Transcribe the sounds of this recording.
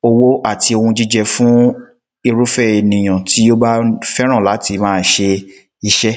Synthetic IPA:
o˧wo˦ʔa˦˨tʰi˧o˧hũ˧d͡ʒi˦d͡ʒɛ˧fũ˦ | i˧ɾu˦fɛ˦˨e˨nĩ˨j̃ã˨ti˨˦o˦ba˦fɛ˦ɾ̃ã˦˨la˨˦ti˧mãː˦n̩˦ʃe˧ | i˧ʃɛ˦

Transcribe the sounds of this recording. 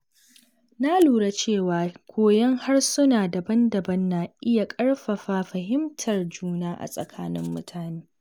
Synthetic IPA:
na˦luː˨ɽa˦t͡ʃeː˦˨waː˨kʷoː˨jɐ˦ŋha˦rsʊ˦naː˨da˨bɐ˦ndɐ˨bɐ˦nːa˨ʔɪ˦ja˨kʼɐ˦ɽɸɐ˨ɸaː˨ɸɐ˨ɦɪ˦mtʰɐ˨rd͡ʒuː˦naː˦ʔa̰˨sʼɐ̰˨kʰaː˦nɪ˦mːʊ˦tʰaː˨neː˦

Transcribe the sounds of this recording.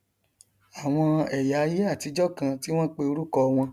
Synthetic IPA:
a˨w̃ɔ̃˧ɛ˨ja˨˦je˦a˦˨ti˧d͡ʒɔ˦kã˧ti˦w̃ɔ̃˦k͡pe˧o˧ɾu˦kɔ˧w̃ɔ̃˧

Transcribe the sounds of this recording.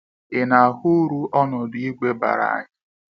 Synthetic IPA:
ɪ˨na˨a˨hu˦ɾu˦ʔɔ˦nɔ˨di˦ɡʷe˦ba̰˨ɾa̰˨a̰˨ɲɪ˦

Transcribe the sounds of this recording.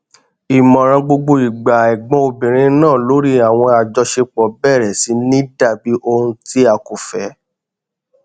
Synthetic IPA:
i˨mɔ̃˨ɾ̃ã˧ɡ͡bo˧ɡ͡bo˧i˨ɡ͡ba˨ɛ˨ɡ͡bɔ̃˧o˧bĩ˨ɾ̃ĩ˨˧˦nãː˦˨lo˨˦ɾi˦a˨w̃ɔ̃˧a˨d͡ʒɔ˧ʃe˧k͡pɔ˨˦bɛ˦˨ɾɛ˨si˨˦nĩ˦da˦˨bi˨˦ʔo˧hũ˧ti˦a˨ku˨fɛ˨˦

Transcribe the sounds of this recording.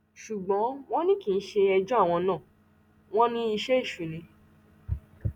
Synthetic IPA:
ʃu˨ɡ͡bɔ̃˨˦w̃ɔ̃˦nĩ˦kĩ˨n̩˦ʃe˧ɛ˧d͡ʒɔ˦a˦˨w̃ɔ̃˧nã˦˨ | w̃ɔ̃˦nĩ˦i˧ʃe˦i˦˨ʃu˨nĩ˧

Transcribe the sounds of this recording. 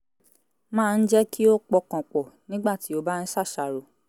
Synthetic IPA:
mãː˦˧n̩˦d͡ʒɛ˦kʰi˦o˦k͡pɔ˧kã˨k͡pɔ˨nĩ˦ɡ͡ba˦˨ti˨˦o˦ba˦n̩˦ʃa˦˨ʃa˨ɾo˨

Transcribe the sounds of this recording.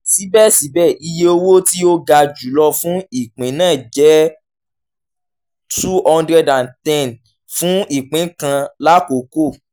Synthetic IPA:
ti˨˦bɛ˦˨si˨˦bɛ˦˨i˧je˧o˧wo˦ti˦o˦ɡa˧d͡ʒu˨˦lɔ˧fũ˦i˦˨k͡pĩ˨˦nãː˦˨d͡ʒɛ˨˦ | tu˦ɔ̃˧ndɾɛ˧dã˨ntɛ̃˦˨n | fũ˦i˦˨k͡pĩ˨˦kã˧la˦ko˨˦ko˦˨

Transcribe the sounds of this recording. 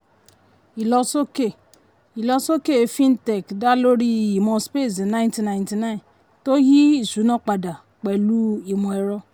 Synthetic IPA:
i˨lɔ˦so˦ke˦˨ | i˨lɔ˦so˦ke˦˨fi˦n̩˦te˨kda˦lo˦ɾi˦˨i˨mɔ˨spe˦˨z̬i˨na˦ɪ˦nti˨na˨ɪ˨nti˨na˦i˨n | to˦ɦi˦i˨zu˨˦nɔ˦k͡pa˨da˨ | k͡pe˨lu˦i˨mo˨e˨ɾɔ˦

